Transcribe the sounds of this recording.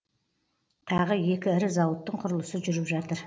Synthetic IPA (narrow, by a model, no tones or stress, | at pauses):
t̪ʰɑʁəje̞kʲɪɪɾɪzɑwət̪ːəɴqʰʊɾəlˠəsəʒʏɾɪpʒɑt̪əɾ